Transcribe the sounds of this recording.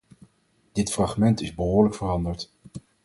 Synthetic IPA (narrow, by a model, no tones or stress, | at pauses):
d̥ɪtfrɑχmɛntɪzbəɦʊːɹləkfərɑndəɹt